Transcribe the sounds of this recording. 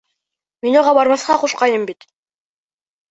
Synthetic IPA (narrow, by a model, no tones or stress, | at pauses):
minoʁɑbɑɾmɑsqɑquʃqɑjɤmbit̪